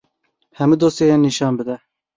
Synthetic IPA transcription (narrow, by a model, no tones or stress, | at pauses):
hɛmud̪oːst̪ejɛnːiʃɑːnbɨd̪ɛ